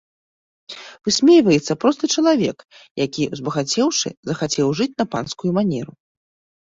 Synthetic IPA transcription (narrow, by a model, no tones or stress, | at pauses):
v̥ɨsʲmʲejvɐjɛt̪sːɐpɾɔst̪ɨt͡ʂɐlˠavʲɛk | jakʲiwzbɐɣat͡sʲɛwʂɨ̰zɐxat͡sʲɛwʐɨt͡sʲnɐpanskujumanʲɛɾu